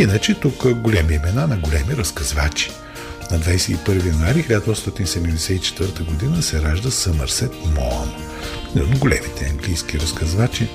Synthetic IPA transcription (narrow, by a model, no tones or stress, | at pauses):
inət͡ʃɛt̪ukəɡolʲɛmiɛmɛnanɐɡolʲɛmiɾɐskɐzvat͡ʃi̥ | nɐd̪vajsɛipɤɾvijɐnuaɾixilʲad̪ɐɔt̪st̪ɔt̪ʲinsɛd̪mɛd̪ɛsɛit͡ʃɛ̥t̪vəɾt̪əɡod̪inəsɛɾaʒd̪əsəməɾsɛt̪mɔɐno | nd̪ɡʊlʲɛmit̪ɛɐŋɡlijskiɾɐskɐzvat͡ʃi